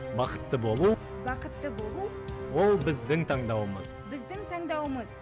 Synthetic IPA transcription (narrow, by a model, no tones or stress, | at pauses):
bɑqə̥t̪ːəbo̞lˠu | bɑqət̪ːəbo̞lˠu | wo̞lˠbɪzd̪ɪŋt̪ʰɑɴd̪ɑwəməzbɪzd̪ɪŋt̪ʰɑɴd̪ɑwəməz